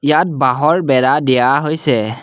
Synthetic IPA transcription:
jat̚baɦɔɹbɛɹadijaɦojsɛ

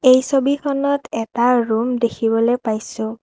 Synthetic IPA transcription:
ejsobikʰɔnɔtɛtaɹumdekʰibɔlepajsʊ̃

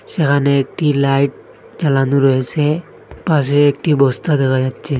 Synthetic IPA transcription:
sɛkʰaneːk̚ʈilajʈ̚ | zalanuɹojɛsɛ | pas̬ɛːk̚ʈibɔst̪ad̪ɛkʰazatsʰɛ

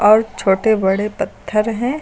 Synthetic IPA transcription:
ɔːɾt͡ʃʰoːʈebɐɽepɐt̪ʰːəɾɦɛ̃

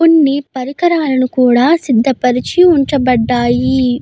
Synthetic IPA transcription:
onːipɐɾikɐɾaːlɐnukuːɽaːsid̪ʱːɐpɐɾit͡ʃiuɲt͡ʃɐbɐɖːaːji

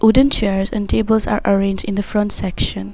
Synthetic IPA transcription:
ʔudə̃nt͡ʃɛɹzɛ̰̃ntʰebəlsa̰ɹʔəɹẽnd͡ʒdɪ̃nd̪əfɹɔ̃ntsɛkʃə̃n

